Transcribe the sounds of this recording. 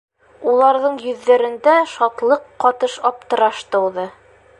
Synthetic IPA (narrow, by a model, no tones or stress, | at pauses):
ulˠɑɾðɤɴjɵ̆ðːæɾɘ̆nd̪æʃɒt̪lˠɤqːɒt̪ɤʃɒp̚t̪ɤ̆ɾɑʃt̪ɤ̆wðɤ